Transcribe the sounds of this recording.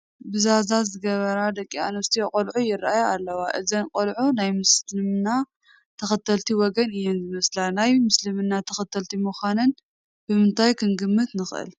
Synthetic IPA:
bɨzazazɨɡɐβɐɾad̪ɐkʼːia̰nɐst̪ʰiokʼɐlʕujɪɾaʔajoalːɐwaʔɨzɐnqʼɐlʕunajmɨslɨmna | t̪ʰɐxɐt̪ʰɐlt̪ʰiwɔɡɐnɨjɛnzɨmɐslanajmɨslɨmɨnːat̪ʰɐxɐt̪ʰɐlt̪ʰimuxʷanɨn | b̥ɨmɨnt̪ʰajkʰɨnɡɨmːɨt̪nɨxʔɨ̰l

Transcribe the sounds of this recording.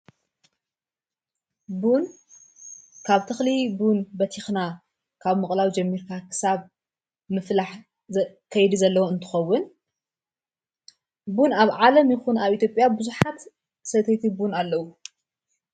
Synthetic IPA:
bun | kʰaβt̪ʰɨxlibunbɐt̪ʰixna | kʰaβmɨχʼlawd͡ʒɐmːiɾkʰakʰɨ̥saβ | mɨflaħ | kʰɐjd̪izɐlːɐwoɨnt̪ʰɨ̥xɐwːʊn | bunaβʕalɐmjɪxunaβʔit̪ʰjopʼjabɨzuħat̪ | sɐt̪ʰet̪ʰibunalːɐwu

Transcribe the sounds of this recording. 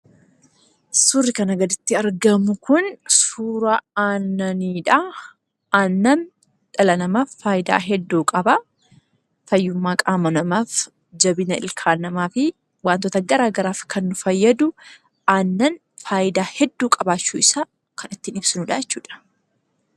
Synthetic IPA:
sʊrːɪkɐnɐɡɐd̪ɪt̪ːɪɐɾɡɐmʊkʊnsuːɾɐaːnːɐniːᶑɐ | ʔaːnːɐn | ᶑ̪ɐlɐnɐmaːfːaːjɪd̪a̰ːɦɛd̪ːuːkʼɐbɐ | tɐjːʊmːaːkʼaːmɐnɐmaːf | d͡ʒɐbɪnɐɪ̰lkʰaːnɐmaːfɪ | waːnt̪oːt̪ɐɡɐɾaːɡɐɾaːfkʰɐnːʊfɐjːɐd̪ʊ | aːnːɐn | faːjɪd̪aːhɛd̪ːuːkʼɐbaːt͡ʃːuːɪsaː | kʰɐnɪt̪ːɪnɪbsɪnʊᶑajɛt͡ʃːuːᶑɐ̥

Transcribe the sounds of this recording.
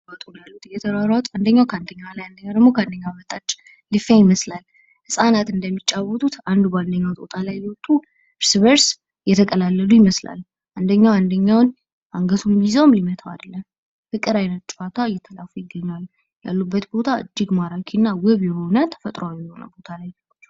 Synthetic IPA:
at̪ʼunjalːut̪ɨjɛt̪ʰəɾaɾawt̪ʰʼand̪əɲːawkʰəand̪əɲːawlajand̪əɲːawd̪əɡmo̞kʰəand̪əɲːawmət̪ʼat͡ʃʼː | lɨfajɪməslal | hɨsʼanat̪ɨnd̪əmːit͡ʃʼːawɔt̪ʰut̪ʰand̪ubəand̪əɲːawt̪ʼot̪ʼalajliwɔt̪ʼːu | ɨɾsβəɾs | jɛt̪ʰəkʼəlalːəlujɪməsla̰l | ʔand̪əɲːawand̪əɲːawn | ʔaŋɡət̪ʰumizəwmlimət̪ʰawa̰d̪əlːəm | fɨkʼːɨɾajnət̪̚t͡ʃʼfat̪ʰajɛt̪ʰəlafujɪɡːəɲːal | ja̰lːubːət̪bo̞t̪ʰaɨ̰d͡ʒːɪɡmaɾakʰinːawəβjɛho̞nət̪ʰə̥fət̪ʼɾoawjɛho̞nə̰bo̞t̪ʰalaj | t͡ʃː

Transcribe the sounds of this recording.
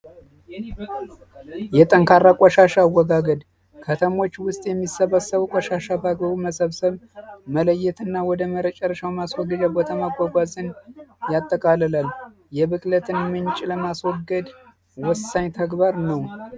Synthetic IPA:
jɛt̪ʼəŋkʰaɾːakʼɔʃaʃawːɔɡaɡəd̪ | kʰət̪ʰəmo̞t͡ʃːwʊst̪ʼjɛmːisːəβəsːəβukʷʼɔʃaʃabaɡbəβuməsəβsəβmələjːɛt̪ɨnːawɔd̪əməɾət͡ʃʼɛɾəʃawmaswɔɡːɨd͡ʒabot̪ʰamaɡʷːaɡʷazɨnjat̪ʼːəkʼaləlal | jɛβɨkʼlət̪ʰɨnmɨnt͡ʃʼɪləmaswɔɡːəd̪ | wɔsːaɲt̪ʰəɡbaɾnəw

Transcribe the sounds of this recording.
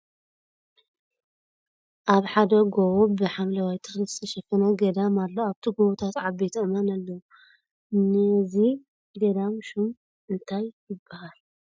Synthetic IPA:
ʔaβħad̪ɐɡowobɨħamlɐwajt̪ʰɨxɨst̪ʰiʃɐfɐnoɡɐd̪amalːoaβt̪ʰiɡowut̪ʰat̪ʕabet̪ʰɐmɐnalːɐwu | nɐzi | ɡɐd̪amʃum | ʔɨnt̪ʰajːɪbːahal

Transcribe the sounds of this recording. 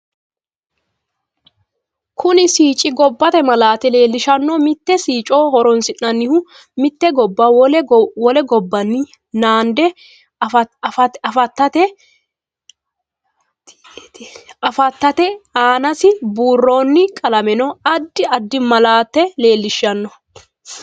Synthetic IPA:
kʰʊnɪsiːt͡ʃʼɪɡɔbːɐt̪ɛmɐlaːt̪ɛle̞ːlːɪʃɐnːɔmɪt̪ːɛsiːt͡ʃʼoːhɔɾɔnsɪnːɐnːɪhʊ | mɪt̪ːɛɡɔbːɐlwɔlɛɡɔbːɐnːɪ | naːnd̪ɛ | fɐtɐfɐt̪ːɐt̪ɛ | ɐfɐt̪ːɐt̪ɛaːnɐsɪbuːrːo̞ːnːɪkʼɐlɐmɛnɔɐd̪ːɪɐd̪ːɪmɐlaːt̪ːɛle̞ːlːɪʃːɐnːɔ

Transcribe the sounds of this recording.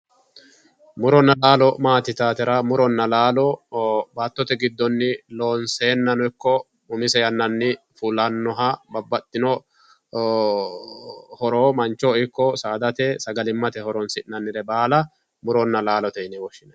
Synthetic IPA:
mʊɾɔnːɐlaːlɔmaːt̪ɪt̪aːt̪ɛɾɐmʊɾɔnːɐlaːlɔbaːt̪ːɔt̪ɛɡɪd̪ːɔnːɪlo̞ːnseːnːɐnɔɪkːɔ | mʊmɪsɛjɐnːɐnːɪ | fuːlɐnːɔɦɐbɐbːɐt̪ːɪnɔ | hɔɾoːmɐnt͡ʃːoɪkːɔsaːd̪ɐt̪ɛsɐɡɐlɪmːɐt̪ɛhɔɾɔnsɪʔnːɐnːɪɾɛbaːlɐ | mʊɾɔnːɐlaːlɔt̪ɛɪnɛwɔʃːɪnɐ

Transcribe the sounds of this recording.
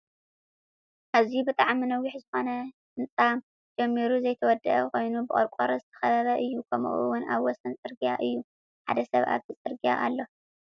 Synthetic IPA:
hɐzibɨt̪ʼaʕminɐwːiħzɨxo̞nɐ | ɨnt͡sʼam | d͡ʒɛmːiɾuzɐjt̪ʰɐwɔd̪ɐʔɐkʰo̞jnubɨʔʼo̰ɾkʼoɾɐzɨt̪ʰɐ̥xɐβɐβɐʔɨjːukʰɐmṵʔṵwʊna̰βwɔsɐnt͡sʼɨɾɡijaʔɨjːu | ħa̰d̪ɐsɐ̰βʔa̰βt̪ʰɨt͡sʼɨɾɡija̰ʔalːo̞

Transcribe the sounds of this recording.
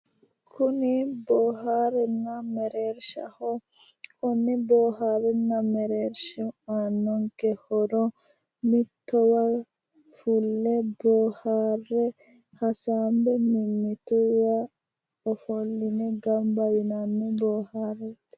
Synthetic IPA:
kʰʊnɪboːɦaːɾɛnːɐmɛɾeːɾʃɐ̰hɔ | kʊnːɪboːɦaːɾɛnːɐmɛɾeːɾʃɛmaːnːɔŋkɛhɔɾɔ | mɪt̪ːɔwɐ | fulːɛboːhaːrɛ | hɐsaːmbɛmɪmːɪt̪uwa | ɔfɔlːɪnɛɡɐmbɐjɪnanːɛboːhaːɾɛt̪ː

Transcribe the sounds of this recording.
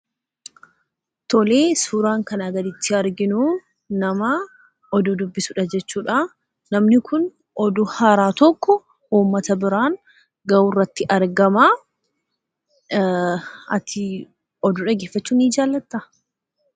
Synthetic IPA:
t̪ɔle̞ːsuːɾaːŋkɐnaɡɐd̪ɪt̪ːɪɐɾɡɪnu | nɐmɐ | ɔd̪ʊd̪ʊbːɪsʊᶑɐd͡ʒɛt͡ʃːuːᶑa | nɐmnɪkʊn | ɔd̪ʊhaːɾaːt̪ɔkːɔ | uːmːɐt̪ɐbɪɾaːŋ | ɡɐwurːɐt̪ːɪʔɐɾɡɐma | ɐt̪ʰɪ | ɔd̪ʊᶑɐɡeːfːɐt͡ʃːuːniːd͡ʒaːlːɐt̪ːɐ

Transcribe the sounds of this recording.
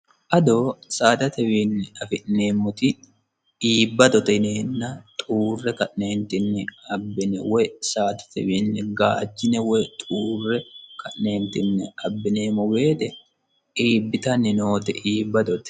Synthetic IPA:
ʔɐd̪oːsaːt̪ɐt̪ɛwiːnːɛɐfɪʔneːmːɔt̪ɪ | ʔiːbːɐd̪ɔt̪ɛneːnːɐt̪ʼuːrːɛkɐʔne̞ːnt̪ɪnːɛɐbːɪnɛwɔjsaːt̪ɐ̥t̪ɛwiːnːɛɡaːd͡ʒːɪnɛwɔjt̪ʼuːrːɛkɐʔneːnt̪ɪnːɛɐbːɪne̞ːmɔwe̞ːt̪ɛ | iːbːɪt̪ɐnːɪnoːt̪ɛʔiːbːɐd̪ɔt̪ɛ̥

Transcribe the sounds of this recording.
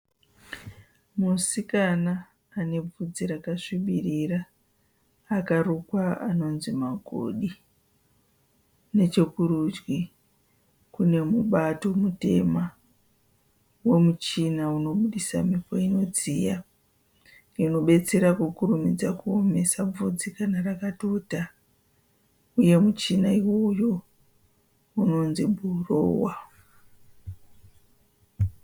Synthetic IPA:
musikanaː | ne̞b͡vud͡ziɾakaʂiɓiriraː | karukwaa̰no̞nzimaɡʱo̰ɗi | ne̞t͡ʃekuɾud͡ʒwi | kune̞muɓato̞mute̞̰ma | we̞mut͡ʃinauno̞ɓuɗisa̰mipoino̞d͡zija | ino̞ɓe̞t͡se̞ɾakukurumid͡zakuome̞sab͡vud͡zikanarakato̞ta | uje̞mut͡ʃinaiwo̞jo̞ | uno̞nzibʱuro̰ːwa

